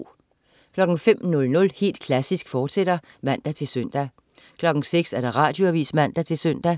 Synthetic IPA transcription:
kʰlɒ̽ɡ̥ŋ̩fem̰nɔ̽lnɔ̽lhe̝̰ːld̥kʰlæsisɡ̥fɒːd̥sed̥ɐ | mæn̰d̥æt͡sʰe̝lsøn̰d̥æ | kʰlɒ̽ɡ̥ŋ̩seɡ̥sæɐɾ̥ɑ̈ʁɑ̈ːd̥jo̝æʋḭːsmæn̰d̥æt͡sʰe̝lsøn̰d̥æ

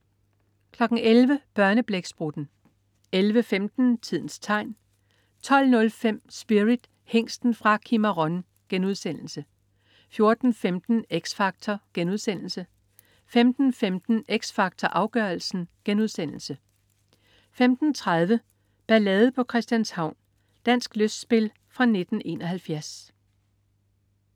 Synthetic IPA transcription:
kʰlɒ̽ɡ̥̩elʋəb̥ɶɐnəb̥leɡ̥sb̥ʁud̥n̩ | elʋəfemd̥n̩t͡sʰið̰ˠn̩st͡sʰɑ̈ɪ̰n | t͡sʰɒ̽l̰nɔ̽lfem̰sb̥iʁid̥ | heŋ̰sd̥n̩fʁɑ̈kʰiməʁɔ̽n | ɡ̥enuðˠsen̰l̩sə | fjo̝ɐd̥n̩femd̥n̩eɡ̥sfɑ̈ɡ̥̚t͡sʰɐɡ̥enuðˠsen̰l̩sə | femd̥n̩femd̥n̩eɡ̥sfɑ̈ɡ̥̚t͡sʰɒʔɑ̈ʊɡ̥œɐl̩sn̩ɡ̥enuðˠsen̰l̩sə | femd̥n̩t͡sʰʁað̞ˠʋə | b̥ælɛð̩ˠpʰɒ̽kʰʁɛsd̥jænshɑ̈ʊ̰n | d̥æn̰sɡ̥løsd̥sb̥e̝l | fʁɑ̈ne̝d̥n̩e̝̰ːnɒhælfjæɐs

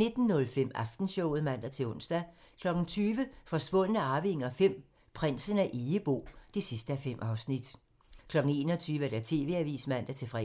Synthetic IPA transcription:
ne̝d̥n̩ːɔ̽lfem̰ɑfd̥n̩ɕɔʊ̰ð̩ˠmæn̰d̥æt͡sʰe̝ɔ̽n̰sd̥æ | kʰlɒ̽ɡ̥n̩t͡sʰyːʋəfɒ̽sʋ̥ɔ̽n̰ənəɑ̈ːʋiŋɐfem̰ | pʰʁan̰sənæʔeəb̥o̝̰ːd̥e̝sisd̥əæfem̰ʔɑ̈ʊsnid̥ | kʰlɒ̽ɡ̥n̩e̝ːnɒt͡sʰyːʋəæd̥æt͡sʰe̝̰ːʋe̝æʋḭːsmæn̰d̥æt͡sʰe̝fʁɛ

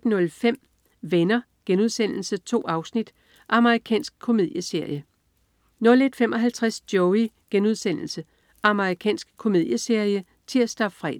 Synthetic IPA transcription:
d̥nɔ̽lfem̰ | ʋenɐ | ɡ̥enuð̞ˠsen̰l̩sət͡sʰo̝̰ːɑ̈ʊsnid̥ | ʔɑ̈məʁikʰɛ̰ːnsɡ̥̚kʰo̝me̝ð̰ˠjəse̝ɐ̰jə | nɔ̽le̝d̥femʔɒ̽ɦælt͡sʰʁasd̥jɔʊi | ɡ̥enuð̞ˠsen̰l̩sə | ʔɑ̈məʁikʰɛ̰ːnsɡ̥̚kʰo̝me̝ð̰ˠjəse̝ɐ̰jə | t͡sʰe̝æsd̥ɑ̥fʁɛ̰ː

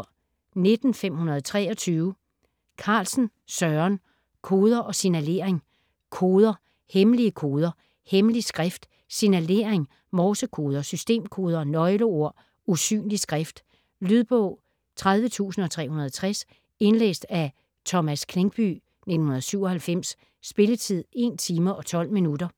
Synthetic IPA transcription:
ne̝d̥n̩fem̰hunɐðˠt͡sʰʁɛ̰ːɒ̽t͡sʰyːʊ | kʰɑ̈ːlsn̩ | sɶɐn | kʰoːð̞ˠɐʔɒ̽sinæle̝̰ɐeŋ | kʰo̝ːðˠɐ | heməliəkʰo̝ːð̞ˠɐ | hemlisɡ̥ʁafd̥ | sinæle̝̰ːɐeŋ | mɒːsəkʰo̝ːð̞ˠɐsysd̥e̝̰ːmkʰo̝ːð̞ˠɐnɒ̽ɪloo̝ɐ̰ | usy̰ːnlisɡ̥ʁafd̥ | lyð̞ˠb̥ɔʊ̰ | t͡sʰʁað̞ˠʋət͡sʰṵːsn̩ɒ̽t͡sʰʁɛ̰ːhunɐð̞ˠɐt͡sʰʁas | e̝nlḛːsd̥æ | t͡sʰɒ̽mæskʰle̝ŋɡ̥̚b̥y̰ | ned̥n̩hunɐðˠsyʊ̰ɒ̽hælfem̰sː | b̥e̝lət͡sʰið̞̰ˠe̝nt͡sʰiːmɐʔɒ̽t͡sʰɒ̽l̰minudɐ

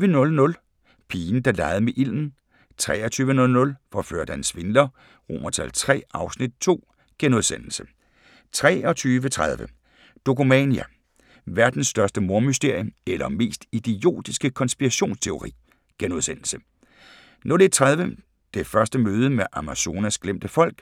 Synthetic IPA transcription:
ʋənɔ̽lnɔ̽l | pʰiːn̩d̥ɑ̈lɑ̈ɪð̩ˠmeʔil̰n̩ | t͡sʰʁɛ̰ːɒt͡sʰyːʋənɔ̽lnɔ̽lfɒfø̰ɐ̰d̥ænsʋe̝nd̥ɐ | ʁo̝̰mɐt͡sʰælt͡sʰʁɛ̰ːɑ̈ʊsnid̥̚t͡sʰo̝̰ː | ɡ̥enuð̞ˠsen̰l̩sə | t͡sʰʁɛ̰ːɒ̽t͡sʰyːʋət͡sʰʁað̞ˠʋə | d̥o̝kʰumɛniæ | ʋæɐd̥n̩sːd̥ɶɐsd̥əmo̝ɐmysd̥e̝ɐ̰jomelʔɐme̝̰ːsd̥id̥ijo̝̰ːd̥isɡ̥əkʰɒ̽nsb̥iʁæɕo̝̰ːnst͡sʰe̝o̝ʁḭː | ɡ̥enuð̞ˠsen̰l̩sə | nɔd̥et͡sʰʁað̞ˠʋə | d̥e̝fɶɐsd̥əmøːð̞ˠəmeʔæmæso̝ːnæsɡ̥lem̰d̥əfɒ̽l̰ɡ̥

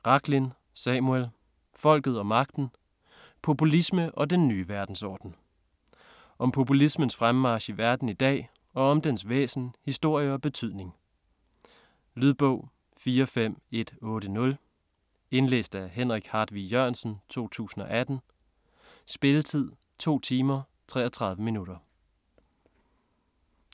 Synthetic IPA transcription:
ʁɑ̈ɡ̥lin | sɛmuel | fɒ̽l̰ɡ̥ð̞̩ˠɒ̽mɑ̈ɡ̥̚d̥n̩ | pʰo̝pʰulisməʔɒ̽d̥enːyːʋæɐd̥n̩sɒːd̥n̩ | ʔɒ̽mpʰo̝pulismənsfʁammɑ̈ːɕiʋæɐd̥n̩id̥ɛ̰ː | ɒ̽ɒ̽md̥ensʋḛːsn̩hisd̥o̝ɐ̰jəɒ̽b̥e̝t͡sʰyð̰ˠne̝ŋ | lyðˠb̥ɔʊ̰ | fiːɐɒfem̰e̝d̥ɔ̽ːɾ̥ənɔ̽l | e̝nlḛːsd̥æɦenʁiɡ̥hɑ̈ːd̥ʋijøɐ̰nsn̩t͡sʰo̝̰ːt͡sʰṵːsn̩ɒ̽ʔæd̥n̩ | sb̥e̝lət͡sʰið̰ˠ | t͡sʰo̝̰ːt͡sʰiːmɐ | t͡sʰʁɛ̰ːɐt͡sʰʁɑ̈ð̞ˠʋəminuɾɐ

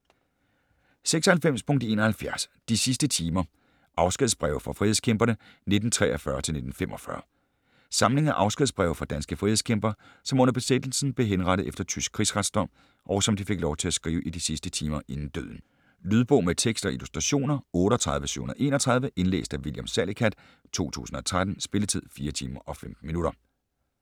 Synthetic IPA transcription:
seɡ̥sɒ̽hælfem̰spʰɔ̽ŋ̰d̥e̝̰ːnɒ̽hælfjæɐsd̥isisd̥ət͡sʰiːmɐ | ʔɑ̈ʊsɡ̥iðˠsb̥ʁɛʊfɑ̈fʁiːheskʰemb̥ɐnə | ne̝d̥n̩t͡sʰʁɛ̰ʔɐfɶɐt͡sʰelne̝dn̩fem̰ʔɒ̽fɶ̰ɐ | sɑ̈mle̝ŋæʔɑ̈ʊsɡ̥iðˠsb̥ʁɛʊfɑ̈d̥ænsɡ̥əfʁiːheskʰemb̥ɐsɒ̽mɔ̽n̰ɐb̥e̝sed̥l̩sn̩b̥le̝ɦenʁɑ̈ɾ̥ð̩ˠefd̥ɐt͡sʰysɡ̥̚kʰʁiːsʁɑd̥sd̥ɒ̽m̰ | ʔɒʊsɒ̽md̥ife̝ɡ̥lɒʊt͡sʰe̝æsɡ̥ʁiːʊʔid̥isisd̥ət͡sʰiːmɐʔe̝nn̩d̥ø̰ð̰ˠn̩ | lyðˠb̥ɔ̽ʊmet͡sʰeɡ̥sd̥ɒ̽ʔilusd̥ʁɑɕo̝̰ːnɐɔ̽ːɾ̥əɒt͡sʰʁɑ̈ðˠʋəsy̰ʊ̰hunɐðˠe̝̰ːnɒt͡sʰʁɑ̈ð̞ˠʋəʔe̝nlḛːsd̥æʋiljamsælikʰæd̥ | t͡sʰo̝̰ːt͡sʰṵːsn̩ɒ̽t͡sʰʁad̥n̩sb̥e̝lət͡sʰið̰ˠfiːɐt͡sʰiːmɐʔɒ̽fem̰d̥̩minuɾ̥ɐ

